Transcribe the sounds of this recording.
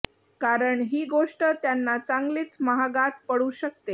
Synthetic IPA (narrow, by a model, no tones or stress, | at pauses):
kaɾəɳɦiːɡoʂʈət̪janːat͡saŋɡliːt͡sməɦaɡat̪̚pəɽuːɕək̚t̪e